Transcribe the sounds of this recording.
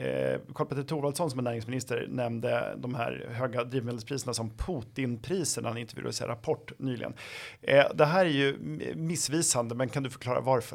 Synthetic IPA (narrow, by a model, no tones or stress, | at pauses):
kʰɔlpɛt̪ɾt̪ʰuːɾvalt̪sɔnsɔmɛnæːɾɪŋsmɪnɪst̪əɾnɛmd̪ə̰d̪ɔmhæ̰ɾɦøːɡad̪ɾiːvmeːd̪lspʰɾiːsənasɔmpʰuːt̪ɪnpʰɾiːsəɳaanɪnt̪əvʉ̰d̪a̰sḛːɾapʰɔʈːnyːlɪ̰ɡə̰n | d̪ɛɦæːɾæɾjɵmɪsːviːsand̪əmɛnkʰand̪ɵfœɾkʰlɑːɾa̰vaɾfœ